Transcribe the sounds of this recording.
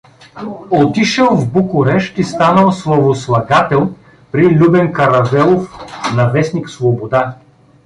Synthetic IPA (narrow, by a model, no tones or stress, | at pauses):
ot̪iʃəlˠvbukʊɾɛʃt̪ist̪anəlˠslˠovoslˠɐɡat̪ɛlˠ | pɾilʲubɛnkɐɾɐvɛlˠofnɐvɛsniksvobod̪a